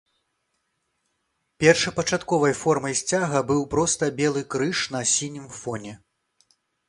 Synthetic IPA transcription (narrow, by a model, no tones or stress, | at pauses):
pʲɛrʂɐpɐt͡ʂat̪kɔvɐjfɔrmɐjsʲt͡sʲaɣɐbɨwpɾɔst̪ɐbʲɛlˠɨkɾɨʂnɐsʲinʲɨmfɔnʲɛ